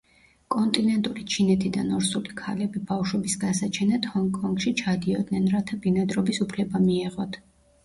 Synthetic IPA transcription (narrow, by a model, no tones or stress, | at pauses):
kʼɔnt̪ʼinɛnt̪ʼulit͡ʃʰinɛt̪ʰid̪anɔɾsulikʰalɛbibaʃwɛbisɡasat͡ʃʰɛnat̪hɔŋkʼɔŋɡʃit͡ʃʰad̪iɔd̪nɛnɾat̪ʰabinad̪ɾɔbisupʰlɛbamiɛʁɔt̪ʰ